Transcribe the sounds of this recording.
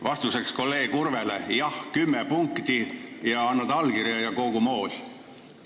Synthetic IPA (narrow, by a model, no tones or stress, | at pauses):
vɑst̪use̞ksko̞lːe̞ːɡkurvelḛjɑhkymːepuŋkt̪ijɑɑnːud̪̥ɑlkirjɑjɑko̞ɡ̥umo̞ːsʲ